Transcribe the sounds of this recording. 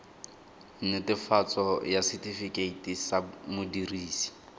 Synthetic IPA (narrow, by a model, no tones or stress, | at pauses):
n̩nɪtʼɪfat͡sʼɔjasɪtʼifikʼeitʼisamʊdiriːsi̥